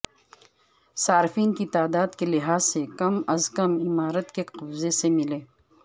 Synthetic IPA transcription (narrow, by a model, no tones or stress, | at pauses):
saːɾɪfiːnkit̪aːd̪aːd̪kelɪɦaːzsekɐmɐzkɐmɪmaːɾət̪keqɐbzesemɪleː